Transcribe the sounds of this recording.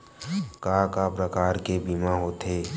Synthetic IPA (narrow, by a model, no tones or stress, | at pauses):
kaːkaːpɾəkaːɾkebiːmaɦoːt̪eː